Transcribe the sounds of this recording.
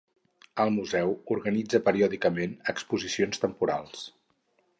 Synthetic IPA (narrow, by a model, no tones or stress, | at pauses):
əlˠmuzɛwuɾɣənid͡zəpəɾiɔðikəmenəkspuzisionst̪əmpuɾa̰lˠs